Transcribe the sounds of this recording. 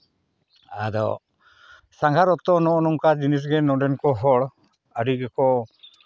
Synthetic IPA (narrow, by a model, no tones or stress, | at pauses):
ad̪ɔ̰ | saŋɡaɾɔt̪ɔnɔʔɔnɔŋkad͡ʒinis̬ɡɛnɔɖɛnkɔɦɔɽ | əɖiɡɛkɔ